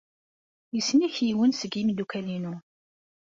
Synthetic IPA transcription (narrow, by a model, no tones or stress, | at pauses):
jəsːniçjiwənsəɡimd̪ukælinu